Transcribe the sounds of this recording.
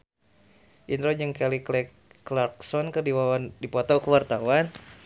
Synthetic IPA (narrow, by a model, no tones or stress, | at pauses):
ʔinɾɔd͡ʒəŋkɛliklɛkː | lark̚sɔnkərdiwawandipɔt̪ɔkəwart̪awan